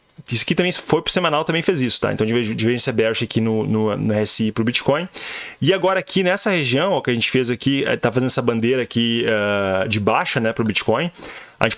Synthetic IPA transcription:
isʊḁkit̪ɐ̃bẽj̃fojpɾʊ̥semɐ̃nawt̪ɐ̃mbẽj̃fezisʊ̥ã̰t̪ɐ̃ẽveɪ̃veʒẽt͡ʃsebɛɾʒɪakinʊnʊnʊɛɛspɾʊbit͡ʃi̥kõj̃ɪaɡɔɾɐakʰinɛsɐheʒiɐ̃w̃kɪɐʒẽnt͡ʃɪ̥fezakḭt̪afazẽd̪ɛsɐbɐ̃nd̪eɾɐːkiɛd͡ʒɪbaʃɐnɛpɾʊbit͡ʃi̥kõj̃ɐʒẽt͡ʃɪ

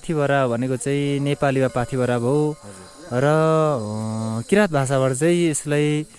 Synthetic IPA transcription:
t̪ʰibʱʌɾabʱʌnekot͡saĩnepalimapat̪ʰibʱʌɾabʱo | rʌ | kiɾat̪̚bʱas̬abʌɾt͡sʌĩeslaj

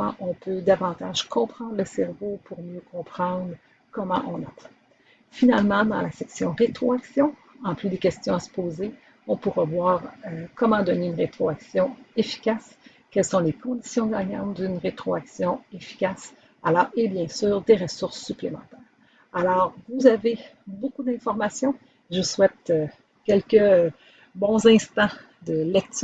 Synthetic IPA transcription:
ɑ̃ʔɔ̃pød̪avɑ̃t̪aʒkʰɔ̃pχɑ̃ːd̪ʁləsɛʁvopuʁmjøkʰɔ̃pχɑ̃d̪ʁ | kɔmɑ̰̃ʔɔ̃napɛ | finalmɑ̃d̪ɑ̰̃lasɛksjɔ̃ʁet̪χoaksjɔ̃ | ɑ̃plyd̪ekʲɛst̪jɔ̃asə̥poːze | ɔ̃puʁavwaːʁøkɔmɑ̃d̪ɔneynʁet̪χoaksjɔ̃efi̥kʲas | kʲɛlsɔ̃lekɔ̃d̪i̥sjɔ̃ɡaɲɑ̃t̪̚d̪ynʁet̪χoaksjɔ̃efi̥kʲas | alɔːʁebjɛ̃syːʁd̪eʁəsʊʁsːyplemɑ̰̃t̪ɛːʁ | alɔːʁvuzave | bokud̪ɛ̃fɔʁmasjɔ̃ | ʒəswɛt̪ø | kʲɛlkʲə | bɔ̃zɛ̃st̪ɑ̃ | d̪əlɛk̚t̪

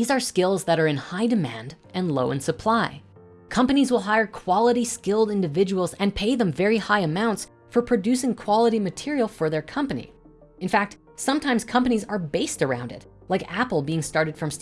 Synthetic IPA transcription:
izə˞skɪlˠzðɨɾə˞ɨ̃nhaɪdɨmæ̰̃nd | ɨ̃nloʊɨ̃nsəpʰl̥aɪ | kʰʌ̃mpɨnizwəlˠɦaɪə˞kʰw̥ɑlˠəɾiskɪlˠdɪ̃ndɨvɪd͡ʒəwl̩ˠzɨ̃npʰeɪðə̃ɱvɛɹihaɪɨmãʊ̃nts | fə˞pʰɹ̥ɨdʉsɪ̃ŋkʰw̥ɑlˠəɾimɨtʰɪɹil̩ˠfə˞ðə˞kʰʌ̃mpɨnḭ | ɨ̃nfæk̚t | sʌ̃mtʰãɪ̃mz̥kʰʌ̃mpɨnizə˞beɪstə˞ã̰ʊ̃ndɨ̰t | laɪkæpl̩ˠbiɪ̃ŋstɑɹɾɨd̥fɹʌ̃ms

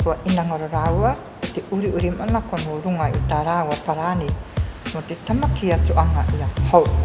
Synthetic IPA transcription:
uɐʔinaŋoɾoɾawɐ | t̪eʔuɾiʔuɾimanakonoːɾuŋɐḭtaːɾauwɐpaɾanimot̪et̪amakiat͡suʔɐŋaʔiahow

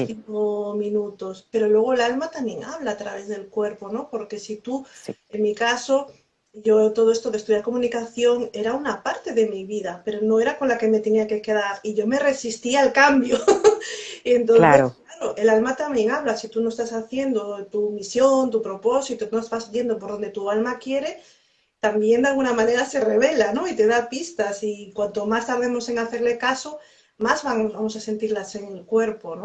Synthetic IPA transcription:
iŋkomĩnut̪o̞spe̞ɾo̞lwe̞ɣ̞o̞elalmat̪amje̞ŋʔa̰β̞laːt̪ɾaβe̞zðe̞lkwe̞ɾpo̞no̞po̞ɾke̞sit̪ueŋmikaso̞ | ʝo̞t̪o̞ð̞o̞e̞st̪o̞ðest̪uðjaɾko̞mũnikaθjo̞ŋe̞ɾaunapaɾt̪e̞ðe̞miβiðape̞ɾo̞no̞e̞ɾako̞nlake̞me̞t̪e̞niake̞ke̞ðaɾiʝome̞re̞sist̪iaalkambjo̞ | e̞nt̪̬onθesskllaɾoʔe̞lalmat̪ambje̞ŋaβ̞lasit̪uno̞est̪asaθje̞nd̪ot̪umisjo̞nt̪upɾo̞po̞sit̪onozβazβje̞nd̪op̬o̞ɾðond̪e̞t̪ualmakje̞ɾe̞ | t̪ambje̞nd̪alɣunamãne̞ɾase̞re̞β̞e̞lano̞it̪e̞ðapist̪asikwant̪o̞mast̪aɾðe̞mo̞se̞ŋaθe̞ɾle̞kaso̞ | mazβaŋβamo̞sase̞nt̪iɾlase̞ŋlkwe̞ɾpono

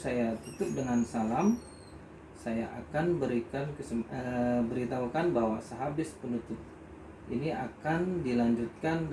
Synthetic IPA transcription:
sajat̪ut̪ʊp̚dəŋansalam | sajaʔakanbəɾikankəsəəbəɾit̪aukanbawasəɦabɪspənut̪ʊp̚ | ʔḭniakandilaɲd͡ʒʊt̪̚kan

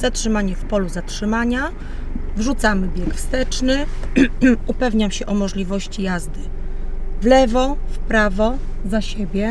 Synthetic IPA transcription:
zatʂɘmaɲɛfpɔluzatʂɘmaɲa | vʐut̪samɘbʲjɛkfst̪ɛt͡ʂnɘ | upɛvɲamɕɛʔɔmɔʐlʲivɔɕt͡ɕijazd̪ɘ | vlɛvɔfpɾavɔ | zaɕebʲjɛ

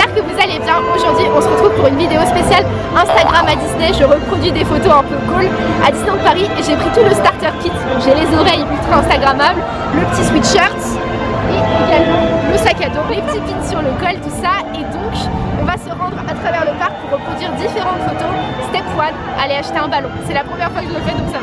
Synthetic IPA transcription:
paʁkəvuzalebɛʁoʒuʁd̪ɥiʔɔ̃səʁət̪χuv̥puʁynvid̪eospesjal | ɛ̃st̪aɡʁamad̪isneʒəʁəpχɔd̪ɥid̪efot̪oɛ̃pøkul | a̰d̪isnẽd̪əpaʁiʔeʒepχit̪uləst̪aʁt̪œʁkʲit̪d̪ɔ̃kʒelezɔʁɛjpyt̪oɛ̃st̪aɡʁamabl | ləpət̪iswit̪ʃœʁt̪ | eeɡʲalmɑ̃ləsakʲad̪ɔ̃klepət̪it̪̚vid̪syʁləɡɔlt̪usaed̪ɔ̃kɔ̃vasəʁɑ̃d̪ʁat̪χavɛʁləpaʁk̚puʁːəpχɔd̪ɥiʁd̪ifeʁɑ̃t̪fot̪ost̪ɛpwad̪ | alɛaʃt̪eɛ̃balɔ̃sɛlapχəmjɛʁfwakəʒəfɛt̪usa

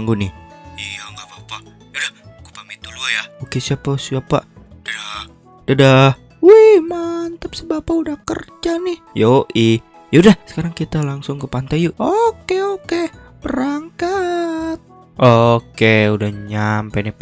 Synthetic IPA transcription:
aŋɡunɪijaŋɡabapa | udahkupamit̪uluajaokesiapasiapa̰d̥aa | d̥adah | wimant̪əpsəbapaudahkə̰rd͡ʒanɪhjoʔi | jaudahsə̥kaɾaŋkit̪alaŋsʊŋkəpant̪ajuokeokeb̥əɾaŋkat̪̚ | ʔokeudahɲampenɛp

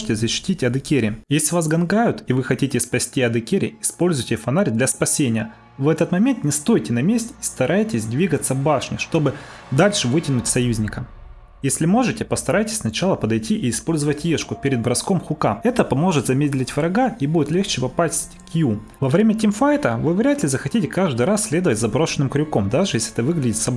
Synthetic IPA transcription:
ɨtʲɪzəɕːɪ̥tʲitʲɐd̪ɨkʲeɾʲɪjesʲlʲɪvasɡɐnɡajʊt̪ivɨxɐtʲitʲɪspɐsʲtʲiɐd̪ɨkʲeɾʲɪ̰ɪspo̞lʲzʊjtʲɪfɐnaɾʲd̪lʲɐspɐsʲenʲɪjə | vɛt̪ət̪mɐmʲe̞nt̪nʲɪst̪o̞jtʲɪnɐmʲesʲtʲist̪ɐɾajtʲɪsʲd̪ʲvʲiɡət̪səvbaʂnʲɪʂt̪o̞bɨ | d̪alʲʂɨvɨtʲɪnʊtʲsɐjuzʲnʲɪkəm | jesʲlʲɪmo̞ʐɨtʲɪpəst̪ɐɾajtʲɪ̥sʲsnɐt͡ɕalˠəpəd̪ɐjtʲiʔɪːspo̞lʲzəvətʲjeʂkʊpʲɪɾʲɪd̪̚bɾɐsko̞mxʊkamɛt̪əpɐmo̞ʐɨt̪zɐmʲedʲlʲɪtʲvɾɐɡaibudʲɪt̪lʲext͡ɕɪpɐpasʲtʲtʲkʲju | vɐvɾʲemʲətʲɪmfajt̪əvɨvɾʲat̪lʲɪzəxɐtʲitʲɪkaʐd̪ɨjɾasʲsʲlʲe̞d̪əvətʲzɐbɾo̞ʂɨnːɨmkɾʲʊko̞md̪aʐɨjeslʲɪɛt̪əvɨɡlʲɪdʲɪt̪sɐb

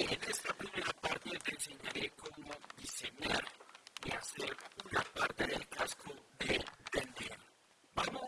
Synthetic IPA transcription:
enest̪apɾiβelapaɾt̪epenseɲaɾekomod̪iseɲaɾeaseɾunapaɾt̪eðelkaskod̪et̪end̪eɾ | bamo

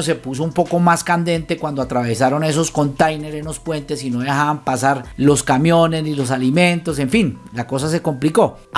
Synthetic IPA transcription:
os̬e̞pusoumpo̞ko̞maskand̪e̞nt̪e̞kwand̪oat̪ɾaβe̞saɾo̞ne̞s̬o̞sko̞nt̪ajne̞ɾe̞nlo̞spwe̞nt̪e̞sino̞ðe̞haβampasaɾlo̞skamjo̞ne̞snilo̞s̬alimẽ̞nt̪o̞s̬e̞ɱfinlako̞s̬ase̞ko̞mpliko̞

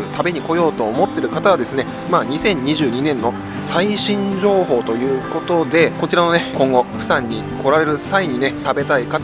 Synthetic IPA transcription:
ɯt̪ʰabe̞ɲ̟iko̞jo̞ːt̪o̞ːmo̞t̪ːe̞ɾɯ̟kat̪aβad̪e̞sɨne̞ | maːɲ̟isẽ̞ɲ̟ːiʑɨːɲ̟inẽ̞nːo̞ | saiɕĩɲ̟d͡ʑo̞ːɦo̞ːt̪o̞jɯ̟ːko̞t̪o̞d̪e̞ko̞t͡ɕiɾano̞ne̞kõŋɡo̞ɸɯ̟sãɲ̟ːi | ko̞ɾaɾe̞ɾɯ̟saiɲ̟ine̞t̪abe̞t̪aika

